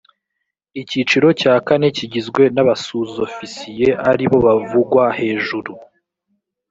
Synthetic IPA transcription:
icit͡ʃiɾo̞caːkane̞ciɟizɡwe̞naβasuzofisije̞ʔaɾiβo̞βavuɡwahe̞ːʒuɾu

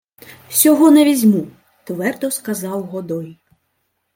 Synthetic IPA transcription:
sʲɔɦɔnɐvʲizʲmu | t̪vɛrd̪ɔskazɑwɣɔd̪ɔj

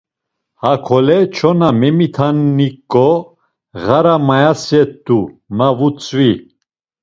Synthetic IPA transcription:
hakʰɔlɛt͡ʃʰɔnamɛmit̪ʰanːikʼːɔ | ɣaɾamajasjɛt̪ːumavut͡sʼvi

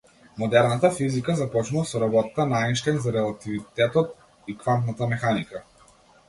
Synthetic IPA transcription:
mɔd̪ɛɾnat̪afizikazapɔt͡ʃnuvasɔɾabɔt̪akanainʃt̪ɛŋzaɾɛlˠat̪ivit̪ɛt̪ɔt̪̚ | ikvant̪nat̪amɛxanika

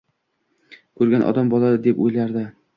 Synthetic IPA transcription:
kʰɵɾɡʲanʔɒ̰d̪ambɒlˠad̪ɪd̪e̞pojlaɾd̪ɪ

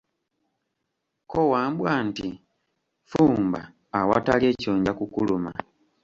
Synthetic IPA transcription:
kowaːmbwaːnti | fuːmba̰ː | watalie̞ːcoːɲɟakukuluma̰

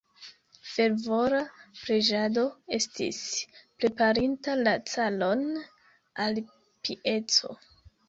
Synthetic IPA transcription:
fe̞ɾvo̞ɾapɾe̞d͡ʒado̞e̞stḭspɾe̞paɾintalat͡salo̞n | al | piʔe̞t͡so̞̰

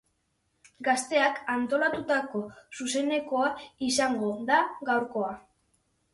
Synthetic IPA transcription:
ɡast̪e̞akant̪o̞lat̪ut̪ako̞suse̞ne̞ko̞aisaŋɡo̞ðaɡawɾko̞a

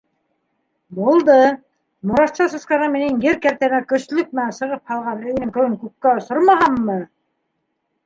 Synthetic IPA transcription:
bulˠd̪ɤ | mŏɾɑst͡ʃɑsɤ̆sqɑʁɑminɘŋjɘɾkæɾt̪æmækɵ̆slɵk̚mɘ̆nænsɤ̆ʁɤp̚hɑlˠʁɑnɵ̆j̆nɘŋkɤ̆w̪ˠɘŋkʉkkːæŏsoɾmɑɦɑmːɤ

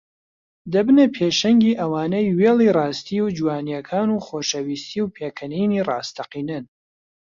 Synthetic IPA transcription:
d̪ɐbɨnɐpʰeːʃɐŋɡiːʔɐwaːnejweːlˠiːrɑːst̪iːwd͡ʒuwaːnijɛkʰaːnuːxoːʃɐwiːst̪iːwpʰeːkʰɐnijniːrɑːst̪ʰɐqiːnɨn

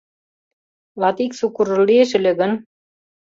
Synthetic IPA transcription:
lɑt̪iksukuɾɤ̆lːieʃɘ̆lʲɘ̆ɣɘ̆n

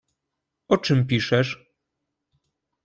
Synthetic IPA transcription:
ɔt͡ʂɘmp̬ʲiʂɛʂ

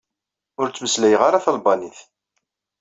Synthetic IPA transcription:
ʊɾt͡sːməslæjʁaɾaθəlbɑniθ

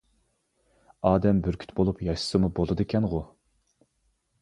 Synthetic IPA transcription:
ɑːd̪ɛmbyɾkʲʰy̥t̪bolˠupjɑʃɨ̥sɨmubolˠɨd̪ɨkʲʰɛnʁʊ

